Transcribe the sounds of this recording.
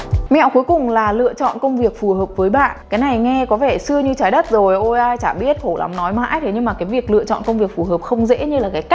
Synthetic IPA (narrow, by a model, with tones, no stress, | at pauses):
mɛ̰˧˨wku˨˦jkʊ˨˩ŋ͡mlaː˨˩lɨ̰˧˨ət͡ɕɔ̰˧˨nkə˧wŋ͡mvi˨˩ək̚fu˨˩həː˨˩p̚vəː˨˦jɓa̰ː˧˨nkaː˨˦jna˨˩jŋɛ˧kɔ˨˦vɛ˧˩sɨ˧əɲɨ˧t͡ɕaː˨˦jɗə˦˥t̚zo˨˩jʔo˧jʔaː˧jt͡ɕaː˧˩ɓi˦˥ət̚ho˧˩la̰˨˦mnɔ˨˦jma̰ː˧˥jt̪ʰe˨˦ɲɨ˧ŋmaː˨˩kaː˨˦jvi˨˩ək̚lɨ̰˧˨ət͡ɕɔ̰˧˨nkə˧wŋ͡mvi˨˩ək̚fu˨˩ɦəː˨˩p̚xə˧wŋ͡mzḛ˧˥ɲɨ˧laː˨˩kaː˨˦jka˦˥